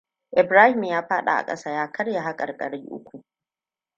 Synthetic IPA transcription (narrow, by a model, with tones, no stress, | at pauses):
ʔɪ˨bɾaː˦hɪ˨mjaː˦ɸaː˦ɗa̰˨ʔa̰˨kʼɐ̰˦saː˦jaː˦kʰɐ˦rja˨ɦa˦kʼɐ̰˨rkʼɐ̰˨ɽi˦ʔʊ̰˦kʷu˨ʔ